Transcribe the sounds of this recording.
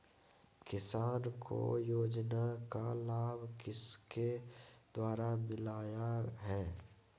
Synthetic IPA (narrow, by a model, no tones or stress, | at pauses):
kɪsaːnkʰo̰joːd͡ʒnakalaːbʱkɪsked̪̥waːɾamɪlaːjaɦɛː